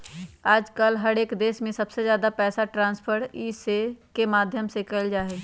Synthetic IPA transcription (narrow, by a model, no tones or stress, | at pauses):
aːd͡ʒkəlɦɐɽeːkd̪eːʃmẽsɐbsezjaːd̪apɛːsaʈɾãːnspʰəɾiːsekemaːd̪ʱjəmsekəld͡ʒaːɦeː